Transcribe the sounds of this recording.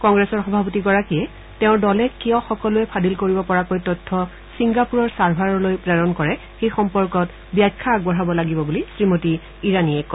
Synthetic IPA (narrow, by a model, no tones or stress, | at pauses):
kɔŋɡɹɛsɔɹxɔbʱapɔtiɡɔɹakiɛ | tɛʊ̃ɹdɔlɛkijɔxɔkɔlʊɛpʰadilkoɹibɔpɔɹakojtɔtʰːɔ | siŋɡapuɹɔɹsaɹbʱaɹɔlojpɹɛɹɔnkɔɹɛ | xejxɔmpɔɹkɔt | bjakʰːaɡbɔɹabɔlaɡibɔbulisɹimotiː | ɹaniɛk